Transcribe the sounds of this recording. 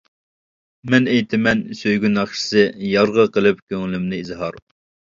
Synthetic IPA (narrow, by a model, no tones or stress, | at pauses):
mɛnejt̪ʰɪmɛnsøjɡʲynɑχʃɪ̥sɨjɑɾʁəqəlˠɨpkʲʰøŋlymnɪizɦɑɾ